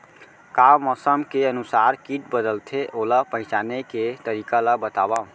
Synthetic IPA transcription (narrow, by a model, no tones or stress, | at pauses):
kamɔsəmkeənusaɾkiʈbəd̪əlt̪ʰeʔoləpə̃ɦɪ̃t͡ʃaneket̪əɾikaləbət̪aba